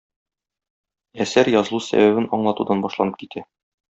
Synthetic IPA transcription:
æsæɾjɒzɤ̆lˠusæ̰bæβɘnɒɴlˠɑt̪ud̪ɑnbɒʃlˠɑnɤp̚kit̪ʰæ

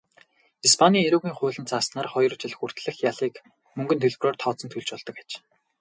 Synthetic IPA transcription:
ispʰanʲiːeɾuːɣiːŋχʊːɮɘ̆nt͡saːsnaːrχɔjr̆t͡ɕiɮɘ̆xur̥t̪ɮɘ̆xjaɮiːk | mɵŋɡɵ̆nt̪ʰɵɮproːrt̪ʰɔːt͡sɞ̆nt̪ʰuɮt͡ɕpɔɮt̪ɞ̆kḁt͡ɕ

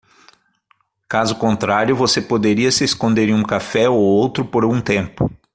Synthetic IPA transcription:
kazʊkõnt̪ɾaɾjʊvosepod̪eɾiɐsɪeskõnd̪eɾĩũkafɛowowt̪ɾʊpoɾũt̪ẽmpʊ

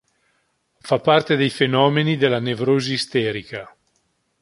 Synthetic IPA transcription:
fapːart̪ed̪ejfenɔːmenid̪elːanevɾoːziːst̪ɛːɾika

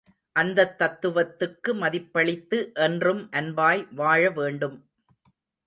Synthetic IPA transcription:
ʔɐnd̪ɐt̪ːɐt̪ːɯʋɐt̪ːɯkːɯmɐðɪpːɐɭɪt̪ːɯʔɛndrɯmʔɐnbaːjʋaːɻɐʋeːɳɖɯm

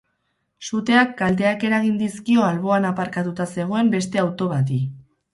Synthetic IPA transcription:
sut̪e̞akːald̪e̞ake̞ɾaɣ̞ind̪iskio̞alβo̞anapaɾkat̪ut̪ase̞ɣ̞o̞e̞mbe̞st̪e̞awt̪o̞βat̪̬i

